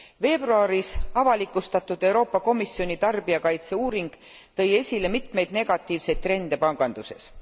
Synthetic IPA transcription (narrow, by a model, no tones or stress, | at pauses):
ve̞ːb̥ruɑɾisɑvɑlikˑːust̪ɑt̪ːˑud̪̥e̞wɾo̞ːpːˑɑko̞misːjo̞nit̪ɑrb̥iɑkɑjt̪se̞uːɾiŋɡ̥ | t̪ɤ̞je̞sʲile̞mit̪me̞jd̪ne̞ɡ̥ɑt̪ːˑiːvse̞jd̪̚t̪ːɾe̞nd̪̥e̞pɑŋɡ̥ɑnd̪̥use̞̰s